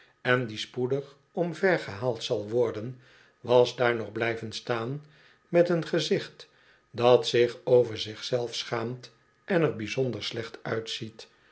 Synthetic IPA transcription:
ɛndispudəχ | ɔmvɛɹχəɦaːlˠtsɑlˠʋɔɹdən | ʋɑzdaːɹnɔχblɛjvənstaːn | mɛtənχəzɪχt | dɑtsɪχowvəɹzɪχsɛlˠfsχaːmt | ʔɛnəɹbizɔndəɹslɛχtœɥtsit

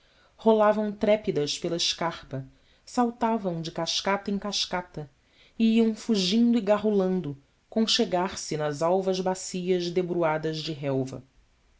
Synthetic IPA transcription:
holavɐ̃w̃t̪ɾɛpid̪ɐʃpelɐɪʃkaχpɐ | sawt̪avɐ̃w̃d͡ʒɪkaʃkat̪ɐẽkaʃkat̪ɐ | iiɐ̃w̃fuʒĩnd̪ʊiɡaɦulɐ̃nd̪ʊ | kõʃeɡaɾsɪnɐzawvɐzbasijɐzd̪ebɾuad̪ɐzd͡ʒɪɦɛwvɐ̰

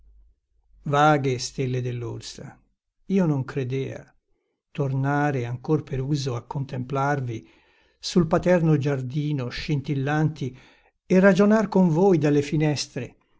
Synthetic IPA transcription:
vaːɡest̪elːed̪elːṵrsa̰ | iːonoŋkɾed̪ɛːa̰ | t̪ornaːɾeaŋkorpeɾuːzoakːont̪emplarvi | sulpat̪ɛrnod͡ʒard̪iːnoʃint̪ilːant̪i | ɛrːad͡ʒonarkoɱvoːjd̪alːefinɛst̪ɾe

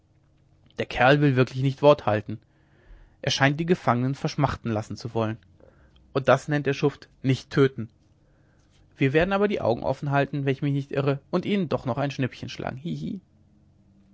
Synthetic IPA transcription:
d̥eːɐkʰɛɐlvɪlvɪɐklɪçnɪçtv̥ɔɐthaltn̩ | ʔeːɐʃaɪnt̚d̥iːɡəfaŋənənfɛɐʃmaχtn̩lasn̩t͡suvɔlən | ʔʊnt̚d̥asnɛnt̚d̥eːɐʃʊft | nɪçtʰːøːtn̩ | v̥iːɐveːɐdn̩ʔaːbɐdiːʔa̰ʊɡŋ̩ʔɔ̰fn̩ɦaltn̩vɛnɪçmɪçnɪçtʔɪʁəʔʊntʔiːnəndɔχnɔχaɪnʃnɪpçənʃlʔa̰ːɡŋ̩hihiː

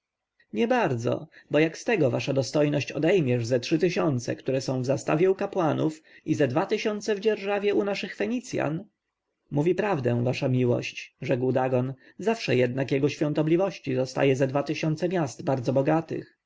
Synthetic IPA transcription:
ɲɛbaɾd̪zɔ̰bɔjakst̪ɛɡɔvaʂad̪ɔst̪ɔjnɔɕt͡ɕɔd̪ɛjmʲjɛʐzɛtʂɘt̪ɘɕɔnt̪sɛ̰kt̪uɾɛsɔ̃w̃vzast̪avʲjɛukapwanufizɛd̪vat̪ɘɕɔnt̪sɛvd͡ʑɛɾʐavʲjɛunaʂɘxfɛɲit̪sʲja̰n | muvʲipɾavd̪ɛ̃w̃vaʂamʲiwɔ̰ɕt͡ɕʐɛkwd̪aɡɔn | zafʂɛjɛd̪̚nakjɛɡɔɕfʲjɔ̃nt̪ɔblʲivɔɕt͡ɕizɔst̪a̰jɛzɛd̪vat̪ɘɕɔnt̪sɛmʲjast̪baɾd̪zɔbɔɡat̪ɘ̰x

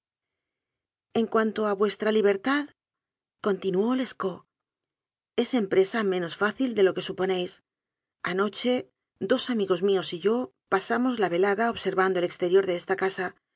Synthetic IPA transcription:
e̞ŋkwant̪o̞aβwe̞st̪ɾaliβ̞e̞ɾt̪að | ko̞nt̪inuo̞le̞sko̞ | e̞se̞mpɾe̞samẽ̞no̞sfaθild̪e̞lo̞ke̞supo̞ne̞js | ano̞t͡ʃe̞ | d̪o̞samiɣo̞zmio̞siʝo̞ | pasamo̞zlaβe̞laðaoβse̞ɾβand̪ole̞kst̪e̞ɾjo̞ɾðe̞est̪akasa

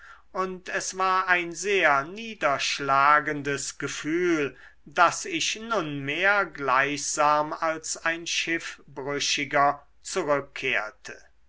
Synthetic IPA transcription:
ʔʊntʰɛsv̥aːɐaɪnzeːɐniːdɐʃlaːɡəndəsɡ̥əfyːl | dasɪʃnʊnmeːɐɡlaɪçz̥aːmalsaɪnʃɪfb̥ʁʏʃɪɡɐ | t͡suʁʏkʰːeːɐtʰə

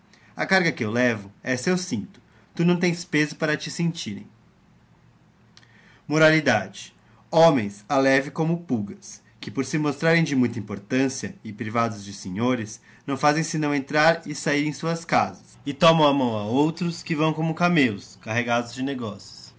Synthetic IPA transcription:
ɐ̰kaɾɡɐkɪewlɛvʊɛsewsĩnt̪ʊ̥ | t̪unɐ̃w̃t̪ẽj̃spezʊpaɾɐt͡ʃɪsẽnt͡ʃiɾḛ̃j̃ | moɾalid̪ad͡ʒɪ | õmẽj̃salɛvɪkõmʊpuɡɐs | kɪpoɾsɪmost̪ɾaɾẽj̃d͡ʒɪmũj̃t̪ɐĩpoɾt̪ɐ̃siɐɪpɾivad̪ʊzd͡ʒɪsẽɲoɾɪs | nɐ̃w̃fazẽj̃sɪnɐ̃w̃ẽnt̪ɾaɾɪsaiɾẽj̃suɐskazɐsɪt̪ɔmɐ̃w̃amɐ̃w̃aowt̪ɾʊskɪvɐ̃w̃kõmʊkamelʊskaɦeɡad̪ʊzd͡ʒɪneɡɔsjʊ̥s

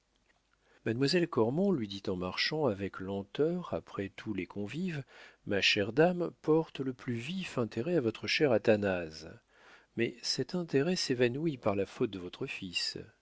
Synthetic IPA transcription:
mad̪mwazɛlkɔʁmɔ̃lɥid̪it̪ɑ̃maʁʃɑ̃avɛklɑ̃t̪œʁapχɛt̪ʰulekʰɔ̃vivmaʃɛʁd̪ampɔʁt̪ləplyvifɛ̃t̪eʁɛavɔt̪χəʃɛʁat̪anaz | mɛsɛt̪ɛ̃t̪eʁɛsevanwipaʁlafot̪̚d̪əvɔt̪χəfis

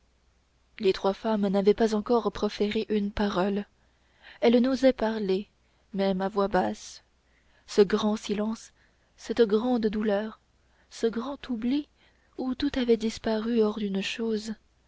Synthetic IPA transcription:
let̪χwafamnavɛpazɑ̃kɔʁpχɔfeʁeʔynpaʁɔl | ɛlnozɛpaʁle | mɛmavwabas | səɡʁɑ̃silɑ̃sː | ɛt̪ɡʁɑ̃d̪d̪ulœːʁ | səɡʁɑ̃t̪ubli | ut̪ut̪avɛd̪ispaʁyɔʁd̪ynʃoːz

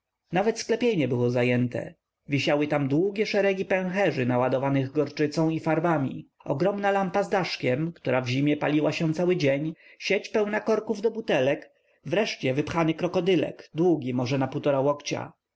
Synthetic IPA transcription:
navɛt̪sklɛpʲjeɲɛbɘwɔzajɛnt̪ɛ̰ | vʲiɕawɘt̪amd̪wuɡʲɛʂɛɾɛɡʲipɛ̃w̃xɛʐɘnawad̪ɔvanɘɣɡɔɾt͡ʂɘt̪sɔ̃w̃ifaɾbamʲḭɔ̰ɡɾɔmnalampazd̪aʂkʲɛmkt̪uɾavʑimʲjɛpalʲiwaɕɛ̃w̃t̪sawɘd͡ʑeɲɕet͡ɕpɛwnakɔɾkuvd̪ɔbut̪ɛlɛk | vɾɛʂt͡ɕɛvɘpxanɘkɾɔkɔd̪ɘlɛ̰ɡd̪wuɡʲimɔʐɛnaput̪ɔɾawɔkt͡ɕa̰

